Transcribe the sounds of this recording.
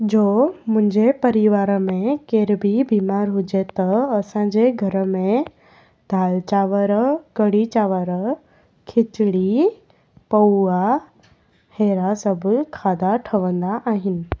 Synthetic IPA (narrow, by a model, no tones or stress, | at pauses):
d͡ʑoːmʊ̃ɦɪ̃ɲd͡ʑepɐɾiʋaːɾəmẽkeːɾbibiːmaːɾɦʊd͡ʑet̪ɐɐsãːɲd͡ʑeɡʱɐɾəmẽ | d̪ʱaːlt͡ɕaːʋəɾəkɐɽit͡ɕaːʋəɾə | kʰɪt͡ɕɪɽi | pɐua | heːɾasɐbʱʊkʰaːd̪aʈʰɐʋə̃nd̪aʔaːɦɪnɪ̆